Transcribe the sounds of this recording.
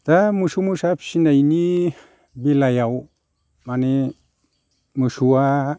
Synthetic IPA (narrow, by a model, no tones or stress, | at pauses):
t̪amuʃumusapʃinajni | bilajaw | mani | muʃua